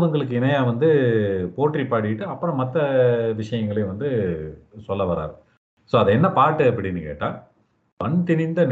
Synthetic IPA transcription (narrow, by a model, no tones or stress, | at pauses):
ðɯŋɡɐɭɯk̬ːɯɪnɐjaːʋɐnd̪ɯpoːʈripːaːɽɯɪʈːɯɐpːɯɾɔ̃mɐt̪ːɐʋɪʂɐjɐŋɡɐɭɐj̃ʋɐnd̪ɯ | sɔlːɐʋɐɾa̰ːɾɯ | soːɐðɐɛnːɐpaːʈːɯɐpːɐɽɪnːɯkḛːʈːã̰ː | pɐɳt̪ɪnɪnd̪ɐn